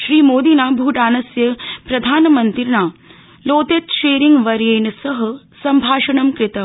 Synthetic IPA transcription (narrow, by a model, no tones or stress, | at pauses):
ʃɾiːmoːd̪iːnaːbʱuːʈaːnɐsjɐpɾɐd̪ʱaːnɐmɐnt̪iɾnaː | loːt̪et̪ʃeːɾiŋɡʋɐɾjeːnɐsɐɦɐ̆ | sɐmbʱaːʂɐɳɐmkɾɪt̪ɐm